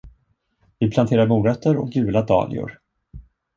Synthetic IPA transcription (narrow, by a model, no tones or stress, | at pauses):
vɪpʰlant̪ʰeːɾaɾmuːɾœt̪ːəɾɔ̰k̚ɡʉ̟ːlad̪ɑ̰ːlɪ̰ʊ̰ɾ